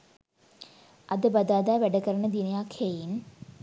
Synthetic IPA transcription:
ɐd̪ɨbɐd̪aːd̪aːʋɛɖɐkɐɾɐɳɐd̪inɐjaːkʰejin

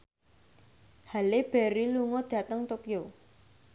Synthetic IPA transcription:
haleb̥ɛɾiluŋɔd̪̥ä̤t̪əŋt̪opijo

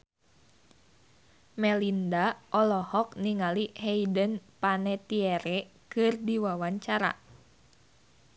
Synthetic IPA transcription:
mɛlindaʔɔlɔhɔkniŋaliheidənpanɛt̪ieɾɛkɨrdiwawaɲt͡ʃaɾa̰

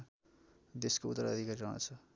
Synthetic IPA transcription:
d̪eskout̪ːəɾʌd̪ʱikaɾiɾʌɦã̰t͡sʰʌ

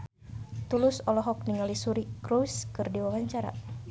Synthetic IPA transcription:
t̪ulusɔlɔɦɔk̚niŋalisuɾikɾuskɨrdiwawaɲt͡ʃaɾa̰

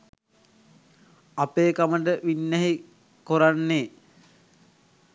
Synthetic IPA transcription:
apeːkaməʈəʋinːæɦi | koɾanːeː

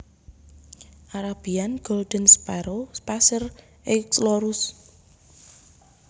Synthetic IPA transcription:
ʔaɾab̥ianɡ̥old̪̥ənspɛɾospasər | ʔɪksloɾʊs

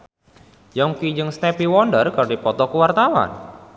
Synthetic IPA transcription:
jɔŋkid͡ʒɨŋsnɛpiwɔɳɖərkardipɔt̪ɔkəwart̪awa̰n

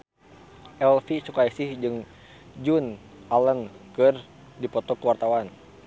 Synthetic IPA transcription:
ʔɛlfisukaisɪhd͡ʒɨŋ | d͡ʒun | aləŋkɨr | dipɔt̪ɔkəwart̪awan

